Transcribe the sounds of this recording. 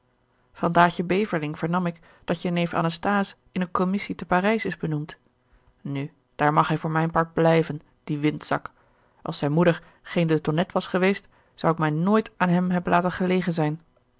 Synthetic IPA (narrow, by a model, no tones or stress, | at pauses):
vɑndaːçəbejvəɹlɪŋv̥əɹnɑmɪk | d̥ɑtjənejfa̰nəstaːs | ɪnənkɔmɪsitəparɛjsɪzbənumt | ny | d̥aːɹmɑχɦɛjvʊːɹmɛjnpɑɹd̚blɛjvən | d̥iʋɪntsɑk | ʔɑ̰lˠsɛjnmudəɹ | χejndətɔnɛtʋɑsχəʋejst | z̥ʌwɪkmɛjnoːjtaːnɦɛmɦɛbən̩laːtənχəlejχənzɛjn